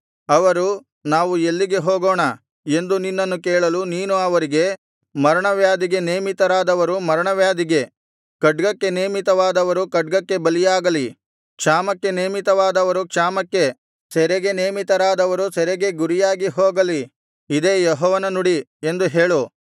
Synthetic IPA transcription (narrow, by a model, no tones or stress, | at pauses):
ɐʋɐɾu | naːʋue̞lːiɡe̞ɦoːɡoːɳɐ | e̞nd̪uninːɐnːukeːɭɐluniːnuɐʋɐɾiɡe̞ | mɐɾɐɳɐʋjaːd̪iɡe̞neːmit̪ɐɾaːd̪ɐʋɐɾumɐɾɐɳɐʋjaːd̪iɡe̞ | kɐɖɡɐkːe̞neːmit̪ɐʋaːd̪ɐʋɐɾukɐɖɡɐkːe̞bɐlijaːɡɐli | kʂaːmɐkːe̞neːmit̪ɐʋaːd̪ɐʋɐɾukʂaːmɐkːe̞ | sɛɾeɡe̞neːmit̪ɐɾaːd̪ɐʋɐɾusɛɾeɡe̞ɡuɾijaːɡiɦoːɡɐli | id̪e̞ːjɔɦɔːʋɐnɐnuɽiend̪uɦe̞ːɭu